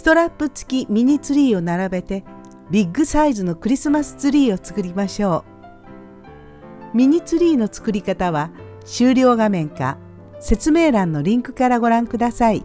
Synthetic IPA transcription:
st̪o̞ɾapːɯ̟t͡sɨ̥kʲimʲiɲ̟it͡sɨɾʲiːo̞naɾabe̞t̪e̞ | bʲiɡːɯ̟saizɨno̞kɯ̟ɾʲisɨmasɨ̥t͡sɨɾʲiːo̞t͡sɨ̥kɯ̟ɾʲimaɕo̞ː | mʲiɲ̟it͡sɨɾʲiːno̞t͡sɨ̥kɯ̟ɾʲikat̪aβa | ɕɨːɾʲo̞ːɡamẽ̞ŋka̰ | se̞t͡sɨme̞ːɾãnːo̞ɾʲĩŋkɯ̟̥kaɾaɡo̞ɾãŋkɯd̪asai

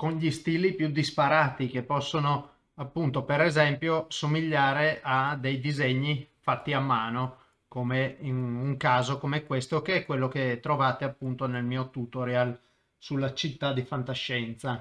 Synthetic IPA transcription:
koɲʎist̪iːlipjud̪ispaɾaːt̪ikepːɔsːono | apːunt̪opeɾezɛmpjosomiʎːaːɾeʔad̪ːejd̪izɛɲːifat̪ːiamːaːno | komeinuŋkaːzokomeɛkwest̪okeɛkːwelːoket̪ːɾovaːt̪eapːunt̪onelmiːot̪ut̪oɾjal | sulːat͡ʃit̪ːad̪ifant̪aʃːɛnt̪sa

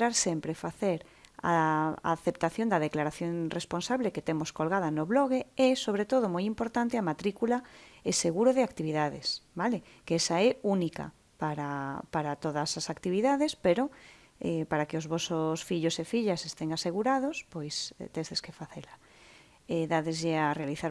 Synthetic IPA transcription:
ɾaɾsempɾefaθeɾ | a̰a̰θep̚t̪aθjond̪aðeklaɾaθjoŋresponsaβleket̪emoskolɣað̞anoβloɣ̞eesoβ̞ɾet̪oð̞omojimpoɾt̪ant̪ɪamat̪ɾikulaeseɣuɾoðɪakt̪iβiðaðḛsbale | kɛsaɛunika̰ | paɾapaɾat̪oðasasakt̪iβiðaðespeɾo | ɛ̰paɾakeozβɔsosfiʎosefiʎasest̪eŋaseɣuɾað̞ospojst̪ezðeskefaθela | eðaðezʝearealiθaɾ

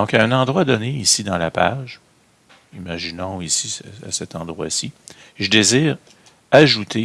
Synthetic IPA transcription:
d̪ɔ̃kaɛ̃nɑ̃d̪ʁwad̪ɔneisid̪ɑ̃lapa̰ʒ | imaʒinɔ̃isia̰sɛt̪ɑ̃d̪ʁwa̰siʒəd̪eziːʁ | aʒut̪ʰe

